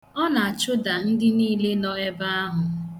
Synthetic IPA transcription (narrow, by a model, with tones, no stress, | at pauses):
ɔ˦na˨a˨t͡ʃʊ˦da˨n̩˦dɪ˦niː˦le˦nɔ˦e˦ba˦a˦ɦʊ˨